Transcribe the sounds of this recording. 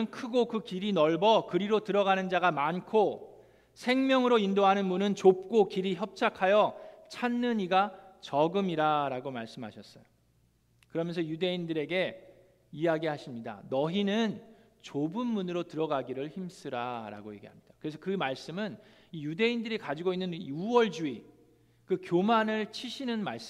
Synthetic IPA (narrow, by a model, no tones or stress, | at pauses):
ɯnkʰɯɡokɯkiɾinʌɭbʌkɯɾiɾotɯɾʌɡanɯnd͡ʑaɡamankʰo | sʰe̞ŋmjʌŋɯɾoindoɦanɯnmunɯnt͡ɕop̚k͈okiɾiçjʌp̚t͡ɕʰakʰajʌt͡ɕʰanːɯɲiɡat͡ɕʌɡɯmiɾaɾaɡomaɭs͈ɯmɦaɕʰʌs͈ʌjo | kɯɾʌmjʌnsʰʌjude̞indɯɾe̞ɡe̞ | ijaɡihaɕʰimɲida̰nʌɦinɯn | t͡ɕobɯnmunɯɾotɯɾʌɡaɡiɾɯɭçims͈ʰɯɾaɾa̰ɡoje̞ɡiɦamɲid̥akɯɾe̞s̬ʰʌkɯmaɭs͈ɯmɯn | ijude̞indɯɾikad͡ʑiɡoinːɯnuwʌɭd͡ʑui | kɯkjomanɯɭt͡ɕʰiɕʰinɯnmaɭs͈ɯ